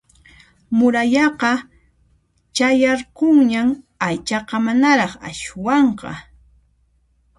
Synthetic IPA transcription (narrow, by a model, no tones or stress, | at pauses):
mʊɾaʎɑqɑ | t͡ʃajɑɾqoŋɲam | ajt͡ʃɑqɑmanaɾɑχa̰ʃwɑɴqɑ̰